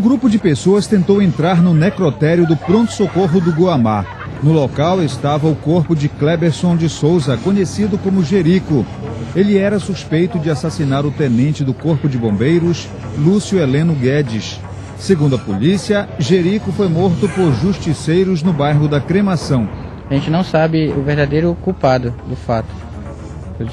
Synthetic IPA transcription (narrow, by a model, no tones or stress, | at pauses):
ʊ̃ɡɾupʊd͡ʒɪpesoɐst̪ẽnt̪owẽnt̪ɾaɾnʊnekɾot̪ɛɾjʊd̪ʊpɾõnt̪ʊ̥sokoɦʊd̪ʊɡuama̰ | nʊlokawest̪avɐʊkoɾpʊd͡ʒɪklɛbeɾsõd͡ʒɪsowzɐkõɲesid̪ʊkõmʊʒeɾikʊ | elɪɛɾɐsuspejt̪ʊd͡ʒɪasasinaɾʊt̪enẽnt͡ʃɪd̪ʊkoɾpʊd͡ʒɪbõmbejɾʊs | lusjʊelẽnʊɡɛd͡ʒɪsː | eɡũnd̪ʊɐpolisiɐʒeɾikʊfojmoɾt̪ʊpoɾʒuʃt͡ʃisejɾʊznʊbajɦʊd̪ɐkɾemasɐ̃w̃ | aʒẽnt͡ʃɪnɐ̃w̃sabɪʊveɾd̪ad̪ejɾʊkuwpad̪ʊd̪ʊfat̪ʊ̥